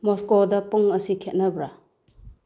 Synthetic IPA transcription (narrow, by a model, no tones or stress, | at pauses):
mɔskodɐpuŋɐsikʰet̚nɐbɾa